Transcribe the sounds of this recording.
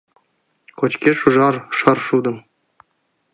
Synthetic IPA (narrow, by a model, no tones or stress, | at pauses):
kŏt͡ɕkʲeʂuʐɑrʂɤ̆rʂud̪ɤ̆m